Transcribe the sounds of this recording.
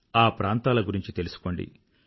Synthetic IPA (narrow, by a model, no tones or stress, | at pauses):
aːpɾaːnt̪aːlɐɡuɾiɲt͡ʃit̪e̞lusu̥ko̞ɳɖḭ